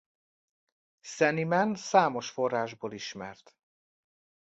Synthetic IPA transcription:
sɛnimɛnsaːmo̞ʃfo̞rːaːʒboːliʃmɛ̰rt̪

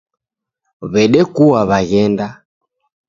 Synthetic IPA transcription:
βɛɗɛkuwaβaɣɛnda

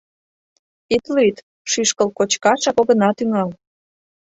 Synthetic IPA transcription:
it̪lyt̪ | ʃyʃkəlkot͡ɕkɑʃɑkoɣə̆nɑt̪yŋɑl

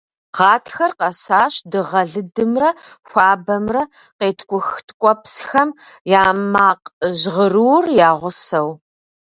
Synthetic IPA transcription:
ʁɑːtʰxɐrqɐsaːɕdɨʁɐɮɨdɨmrɐxʷɑːbɐmrɐ | qeːtʰkʷʊxtʰkʷʼɔpsxɐmjaːmaːqʑʁərɨwrjaːʁʷʊsɐw

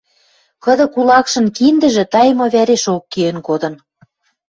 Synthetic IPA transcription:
kɤ̆d̪ɤ̆kulɑkʃɤ̆nkind̪ə̆ʒĕt̪ɑjmoβæɾeʃokːijĕnkod̪ɤ̆n

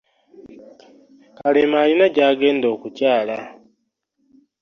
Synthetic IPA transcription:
kalemaːlinaɟaːɡe̞ːndo̞ːkucaːla

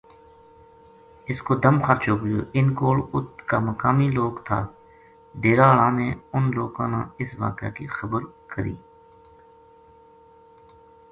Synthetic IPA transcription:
ɪskoːd̪əmxəɾt͡ʃoːko̰ːʔɪnkoːɽʊt̪kaːməkaːmiloːkt̪ʰa̰ː | ɖeːɾaːɭãːneːʊnloːkãːnã̰ːɪsʋa̰ːkja̰ːkixəbəɾkəɾḭː

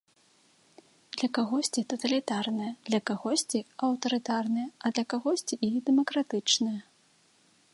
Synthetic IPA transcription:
d̪lʲɐkaɣɔsʲt͡sʲit̪ɐt̪ɐlʲit̪arnɨjɐd̪̥lʲɐkaɣɔsʲt͡sʲiɐwt̪ɐɾɨt̪arnɨjɐɐd̪lʲɐkaɣɔsʲt͡sʲiʔːd̪ɛmɐkɾat̪ɨt͡ʂnɨjɐ

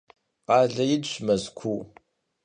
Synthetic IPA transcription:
qɑːɮɐjɪdɕʷmɐzkʷʰu

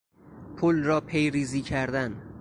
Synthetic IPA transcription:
pʰolɾɒːpʰe̞jɾiːziːcʰæɾd̪æn

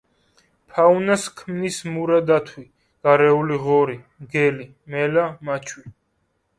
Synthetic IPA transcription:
pʰaunaskʰmnismuɾad̪at̪ʰwi | ɡ̥aɾɛuliʁɔɾimɡɛli | mɛlamat͡ʃʰwi

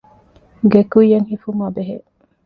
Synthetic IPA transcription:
ɡekujːɐŋhifumaːbeɦe

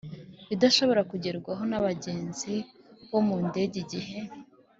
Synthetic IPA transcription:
βidaʃo̞βo̞ɾakuɟeɾɡwaɦo̞naβaɟe̞ːnzi | βo̞munde̞ɟiɟihe̞

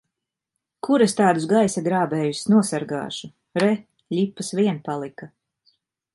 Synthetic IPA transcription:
kuɾest̪aːd̪usɡajsaɡɾaːbɛːjusʲnuɔsaɾɡa̰ːʃu | ɾɛ | ʎʲipːasviɛnpalˠika

